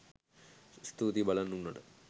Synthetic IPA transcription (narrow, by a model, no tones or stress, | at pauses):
st̪ut̪ibɐlɐnːunːɐɽɨ